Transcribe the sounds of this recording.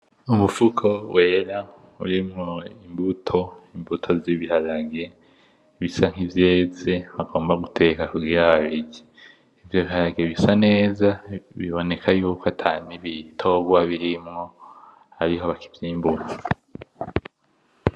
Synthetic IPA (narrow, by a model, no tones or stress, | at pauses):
umufukʰo̞wʔe̞ːɾa | ṵɾimŋo̞imbutʰo̞imbutʰo̞ziβihalaɡe | βisaŋ̥ivje̞ːze̞βaɡo̞ːmbaɡutʰe̞kakuɡiːɾaβaβiɡi | ivjoβihaɾaɡeβisane̞ːzaβiβo̞ne̞kʰajuːkoatʰaniβitʰo̞ɡwaβiɾimŋo̞ | haɾiɦo̞βaki̥vjiːmbuno